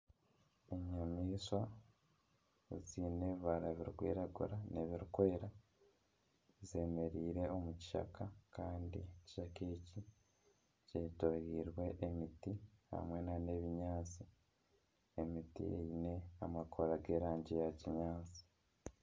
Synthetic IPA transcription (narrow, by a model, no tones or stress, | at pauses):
eɲamiːswa | ziːneβaɾaβiɾukwḭːɾaɡṵɾaneβiɾukweeɾa | zeme̞ɾiːɾe̞o̞muci̥ʃa̰kʰakaːndḭci̥ʃakeːci | cetojiːɾwe̞ʔemitiha̰mwe̞nane̞ːβiɲaːt͡si | emitḭḛine̞a̰makʰoɾaɡe̞ːɾaːɲɟejaciɲaːt͡si̥